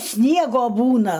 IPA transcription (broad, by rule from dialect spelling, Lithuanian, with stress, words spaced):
ˈsʲnʲiɛɡoː ˈbuːnɐ